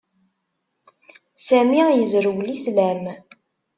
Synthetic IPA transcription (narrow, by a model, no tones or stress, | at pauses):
sæmijəzɾəwlislæm